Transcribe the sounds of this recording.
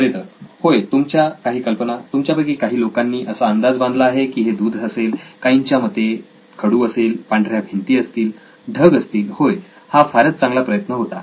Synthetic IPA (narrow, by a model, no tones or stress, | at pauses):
əɾet̪əɾhojt̪umt͡ɕjakaɦiːkəlpənat̪umt͡ɕjabəɡekaɦiːlokanːiːʔəsaənd̪ad͡zband̪laːɦekiːɦed̪uːd̪ʱəselkaiɲt͡ɕjamət̪ːe | kʰəɽuːəselpaɳɖʱɾjabʱint̪iːəst̪iːl | ɖʱəɡəst̪iːlhoj | hafaɾət͡st͡sãŋɡlapɾəjət̪nəɦot̪a